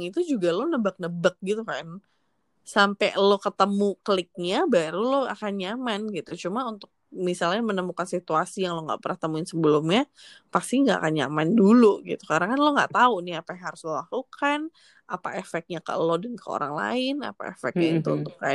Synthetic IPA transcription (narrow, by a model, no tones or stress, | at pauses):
ŋit̪ud͡ʒuɡalonəbak̚nəbək̚ɡit̪ukan | sampɛlokət̪əmukəlɪk̚ɲabaɾuloa̰kanɲamanɡit̪ut͡ʃumaunt̪ʊk̚misalɲamənəmukansit̪uasijaŋloŋɡa̰ʔpəɾət̪əmuɪnsəbəlumɲa | past̪iŋɡaʔa̰kanɲa̰manduluɡḭt̪ukaɾaŋkanloŋɡa̰ʔt̪aunɪhapajaɦaɾʊslolahlukʰan | ʔa̰pa̰efɛk̚t̚ɲakə̰lodənkʰəo̰ɾaŋla̰ɪna̰pa̰ḛfɛ̰k̚ɲait̪uunt̪ʊkːa